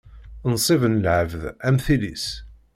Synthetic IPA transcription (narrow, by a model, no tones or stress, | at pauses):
nsˤivənlʕəvðæmθilis